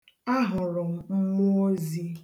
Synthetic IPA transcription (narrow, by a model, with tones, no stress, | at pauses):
a˦ɦʊ˨ɾʊ˨m̩˨ŋ͡m̩˦ŋʊ˦o˦zi˦